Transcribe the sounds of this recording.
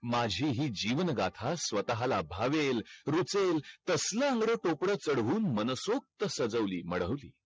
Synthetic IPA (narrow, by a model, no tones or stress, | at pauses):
mad͡ʑʱiːɦiːd͡ʑiʋənɡat̪ʰasʋət̪aɦalabʱaʋelɾut͡selt̪əslaəŋɡɽəːʈopɽəːt͡səɽʋuːnmənəsok̚t̪əsəd͡zəʋliːməɽ̤əʋliː